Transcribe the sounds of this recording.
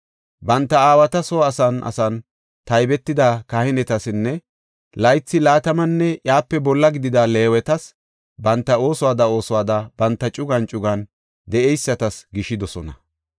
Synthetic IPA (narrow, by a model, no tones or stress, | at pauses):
bɐnt̪ːɐaːwɐt̪ɐsoːɐsɐnʔɐ̰sɐn | t̪ɐjbɛt̪ːɪd̪akɐhɪnɛt̪ɐsɪnːɛ | lɐjt͡sːɪlaːt̪ɐmɐnːɛjaːpːɛbɔlːɐɡɪd̪ɪd̪ɐle̞ːwɛt̪ɐs | bɐnt̪ːɐo̞ːsɔwaːd̪ɐo̞ːsɔwaːd̪ɐbɐnt̪ːɐt͡ʃʼʊɡɐnt͡ʃʼʊɡɐn | d̪ɛʔɛjsːɐt̪ɐsɡɪʃɪd̪ɔsɔnɐ̰